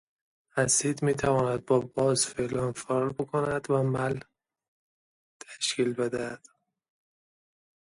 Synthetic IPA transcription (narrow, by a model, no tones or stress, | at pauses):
hæsiːd̪miːt̪ʰævɒːnæd̪̚bɒːbɒːzfelɒːnfæɾɾbekʰonæd̪væmæl | t̪ʰæʃkiːlbed̪æd̪̥